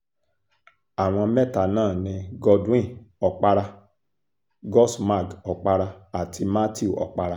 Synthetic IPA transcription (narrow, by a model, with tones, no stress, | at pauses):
a˨w̃ɔ̃˧mɛ˦ta˧nãː˦˨nĩ˧ɡɔ˧dĩ˦˨ɔ˧k͡pa˧ɾa˧ | ɡɔ˦sma˦˨ɡɔ˧k͡pa˧ɾa˧a˨tʰi˧ma˦ti˦u˦˨ʔɔ̰˨k͡pa˧ɾa˧